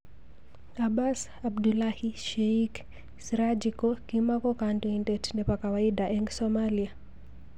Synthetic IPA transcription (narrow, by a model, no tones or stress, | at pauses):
abas | abdulahiʃɛik | sɾad͡ʒikɔkimakɔkantuindɛtnɛpakawaiɗaʔɛŋɡsɔmalia